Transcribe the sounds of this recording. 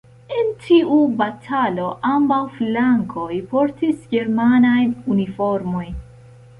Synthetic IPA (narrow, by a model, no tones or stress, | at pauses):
e̞ntʰiʔubatʰalo̞ʔambawflaŋkʰo̞jpo̞ɾtisɡe̞ɾmanajnunifo̞ɾmo̞jn